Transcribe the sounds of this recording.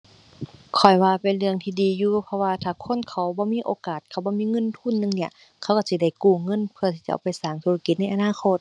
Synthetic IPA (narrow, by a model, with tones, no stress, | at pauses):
kʰɔ˨˩jwaː˧pe˨nlɯ˧˩əŋt̪ʰiː˧diː˨˦juː˧pʰɔ˧waː˧t̪ʰaː˧˩kʰo˧˥˨nkʰa˧˩wbɔː˧˦miː˧˥˨ʔoː˧˦kaː˨˩t̪̚kʰa˧˩wbɔː˧˦˨miː˧˥˨ŋɤ˧˥˨nt̪ʰu˧˥˨nːɯ˧˨ŋni˧˩ə | kʰa˧˩wka˧˩si˧da˧˥˩jkuː˧˩ŋɤ˧˥˨npʰɯ˧˨t̪ʰiː˧t͡ɕa̰˧ʔa̰˧˨˩wpa˨jsaː˨˩˦ŋt̪ʰuː˧la˧ki˧t̪̚na˥˩jʔa˧naː˧˥˨kʰo˧˥˨t̪̚